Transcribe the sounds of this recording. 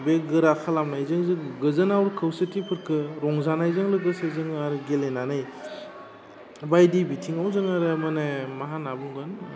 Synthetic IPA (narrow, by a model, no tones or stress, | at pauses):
beɡɯɾakʰalamnajzɯŋzɯɡɯzɯnawɾkʰɯwsɯtʰipʰɯɾkʰɯɾɔŋzanajzɯŋlɯɡɯsɯzɯŋaɾɯɡelenanɯj | bajdibitʰiŋawzɯŋaɾɯmɯnemaɦanabuŋɡɯn